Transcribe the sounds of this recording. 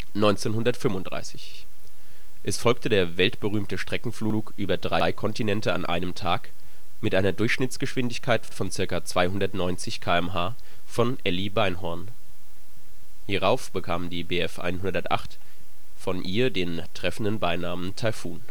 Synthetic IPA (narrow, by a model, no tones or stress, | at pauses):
nɔʏnt͡seːnhʊndɐtfʏmʊntd̥ʁ̥a̰ɪsɪç | ʔɛsfɔlktʰədeːɐvɛltb̥əʁyːmtəʃtʁ̥ɛkŋ̩fluuːkʔyːbɐdʁaɪkʰɔntinɛntəa̰nʔa̰ɪnəmtʰaːk | mɪtʔaɪnɐdʊɐçʃnɪtt͡sɡ̥əʃv̥ɪndɪçkʰaɪtfɔnt͡sɪɐkat͡sv̥aɪhʊndɐtnɔʏnt͡sɪçkʰaːɛmɦaː | fɔnʔɛlibaɪnɦɔɐn | hiːʁaʊfb̥əkʰaːmdiːbeːɛfʔa̰ɪnɦʊndɐtʔa̰χt | fɔnʔiːɐdeːn | tʁ̥ɛfn̩dənbaɪnaːməntʰaɪlfuːn